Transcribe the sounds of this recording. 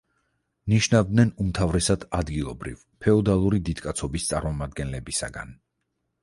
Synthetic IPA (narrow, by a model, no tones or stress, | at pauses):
niʃnavd̪nɛnumt̪ʰavɾɛsad̪̥ad̪ɡilˠɔbɾḭv | pʰɛɔd̪alˠuɾid̪id̪kʼat̪sʰɔbist̪sʼa̰ɾmɔmad̪̚ɡɛnlɛbisa̰ɡa̰n